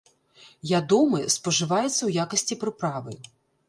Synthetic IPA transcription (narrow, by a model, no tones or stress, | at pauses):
vʲad̪ɔmɨspɐʐɨvajɛt̪sːɐwjakɐsʲt͡sʲipɾɨpɾavɨ